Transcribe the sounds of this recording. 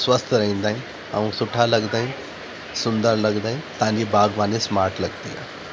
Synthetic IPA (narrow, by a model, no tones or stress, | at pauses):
sʋəst̪ʰəɾəĩnd̪ain | a̰ʋũsuʈʰaləɡd̪ain | sund̪əɾləɡd̪aint̪ãɲd͡ʑiːbaɡʋanesmaɾʈləɡt̪ia̰